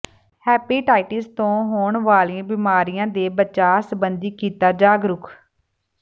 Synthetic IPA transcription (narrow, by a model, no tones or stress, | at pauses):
hɛːpiːʈaːɪʈɪst̪õːɦoːɳʋaːliãːbɪːmaːɾijãːd̪eːbəʃaːsəbənd̪iːkiːt̪aːd͡ʒaːɡɾʊkʰ